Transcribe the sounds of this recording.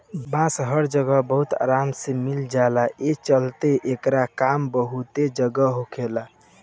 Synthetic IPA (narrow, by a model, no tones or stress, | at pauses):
bãsɦəɾd͡ʒəɡəbəɦut̪a̰ɾamsemild͡ʒalaʔet͡ʃəlt̪eʔekɾakambəɦut̪ed͡ʒəɡəɦokʰela